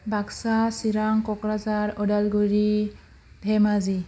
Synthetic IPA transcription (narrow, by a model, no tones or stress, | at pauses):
bʱaksasiɾaŋkɔkɾazaɾɔdalɡuɾi | bʱɛmazi